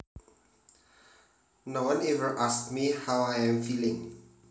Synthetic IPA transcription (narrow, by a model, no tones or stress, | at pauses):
nowãnɛvəɹʔaskmihawajɛ̃mfilɪ̃ŋ